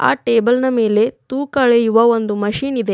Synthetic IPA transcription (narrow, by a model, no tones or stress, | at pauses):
a̰ːʈeːbɐlnɐme̞ːle̞t̪uːkɐɭejuʋɐo̞nd̪umɐʃiːnid̪e̞